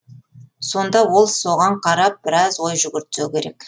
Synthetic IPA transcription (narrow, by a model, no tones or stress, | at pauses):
so̞nd̪ɑwo̞lˠso̞ʁɑɴqʰɑɾɑp̚b̥ɪɾɑzwo̞jʒʏɡʲɪɾt̪ːewkʲʰe̞ɾe̞k